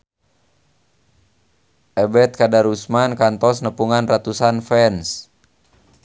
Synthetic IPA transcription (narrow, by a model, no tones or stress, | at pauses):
ʔɛbɛt̪̚kadaɾusmankant̪ɔsnəpuŋanrat̪usanfɛns